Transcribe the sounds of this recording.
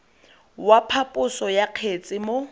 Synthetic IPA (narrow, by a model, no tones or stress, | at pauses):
wapʰapʼʊsɔjaq͡χʰet͡sʼɪmo